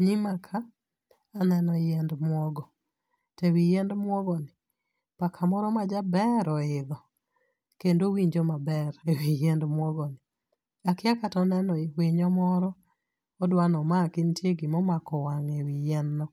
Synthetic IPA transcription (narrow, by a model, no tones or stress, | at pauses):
ɲimakʰaː | nɛnɔjɛndmwɔɡɔ | tewijɛndmwɔɡɔnɪ | pakʰamɔɾɔmad͡ʒabɛɾɔɪðɔ | kendowiɲd͡ʒɔmabɛɾewijɛndmwɔɡɔnɪ | akɪakatɔnɛnɔwɪɲɔmɔɾɔː | dwanɔmakɪntjeɡimɔmakɔwaŋewijɛnːɔ